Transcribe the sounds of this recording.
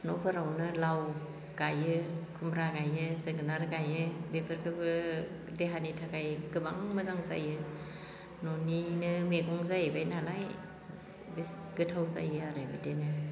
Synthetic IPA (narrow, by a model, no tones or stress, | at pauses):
nɔpʰɯɾawnɯlaw | ɡ̥ajɯkʰumbɾaɡajɯzɯɡɯnaɾɡajɯbepʰɯɾkʰɯbɯ | deɦanitʰaɡajɡɯbaŋmɯzaŋza̰jɯ | nɔninɯmeɡɔŋzajbajnalaj | bis | ɡɯtʰawza̰jɯaɾɯmitenɯ